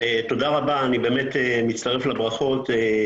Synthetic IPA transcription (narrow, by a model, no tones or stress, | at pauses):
et̪o̞d̪aʁabaːnibe̞ːmet̪emitt͡st̪aʁeflabʁaχo̞t̪e